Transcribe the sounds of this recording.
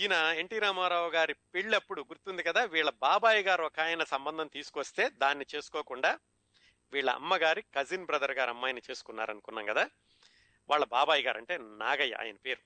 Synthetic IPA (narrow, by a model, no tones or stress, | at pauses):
inɐe̞ɳʈiːɾaːmaːɾaːʋɐɡaːɾipiɭːɐpːuɽuɡuɾt̪und̪ikɐd̪aːʋiːɭːɐbaːbaːjiɡaːɾɔkaːjɐnɐsɐmbɐnd̪ʱɐnt̪iːsu̥kʋɐst̪e̞ːd̪aːnːit͡ʃe̞ːsu̥kɔːkuɳɖaː | ʋiːɭːɐ̰ɐ̰mːɐɡaːɾikɐzinbɾɐd̪ɐɾɡaːɾɐmːaːjɐnɐt͡ʃe̞ːsu̥kunːa̰ːɾɐnukunːaːŋkɐd̪aː | ʋaːɭːɐbaːbaːjiɡaːɾɐ̰ɳʈe̞ːna̰ːɡɐjːɐ̰a̰ːjɐnɐpe̞ːɾu